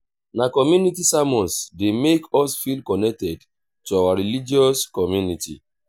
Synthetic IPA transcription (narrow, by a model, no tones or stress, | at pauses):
nakɔmjunitisamɔ̃nsdemekɔsfilkɔnɛk̚tɛd | tuawaɹilid͡ʒɔskɔmjunitḭ